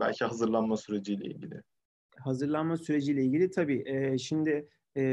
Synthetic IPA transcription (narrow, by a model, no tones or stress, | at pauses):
bæ̰lʲcʰiɦazɯɾlˠanmasyɾe̞d͡ʒijlʲɛ̰ḭlʲɟḭlʲɪ | hazɯɾlˠanmasyɾe̞d͡ʒiːlʲɛilʲɟilʲit̪ʰabiːʔɛːʃimd̪ɪ | ɛː